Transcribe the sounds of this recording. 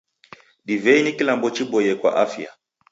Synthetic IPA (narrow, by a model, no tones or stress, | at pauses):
ɗivɛinikilambɔt͡ʃiɓɔjɛkwa̰ʔafja̰